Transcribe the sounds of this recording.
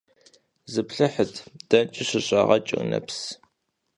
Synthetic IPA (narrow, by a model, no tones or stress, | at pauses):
zɨpɬɨħətʰd̥ɐnt͡ʃʼɪɕɪɕʼɐʁɐt͡ʃʼɪ̰nɐ̰ps